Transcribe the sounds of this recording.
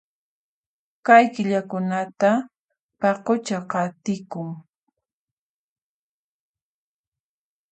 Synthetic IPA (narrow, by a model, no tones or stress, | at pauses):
kajkɪʎakʊnat̪a | pɑqot͡ʃaqɑt̪ɪkʊŋ